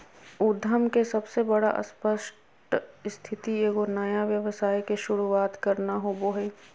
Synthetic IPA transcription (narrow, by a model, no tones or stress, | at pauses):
ʊd̪ʱːəmkesɐbsebɐɽa̰ʔə̰spəʃʈ | st̪ʰɪt̪ieːɡonɐjaʋjəʋəsaːjkeʃʊɾuaːt̪kɐɾnaɦoboːɦeː